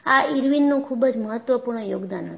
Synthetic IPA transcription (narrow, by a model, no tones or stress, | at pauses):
aiɾʋinːũkʰubəd͡ʒməɦət̪ʋəpuɾɳəjoɡd̪anɦə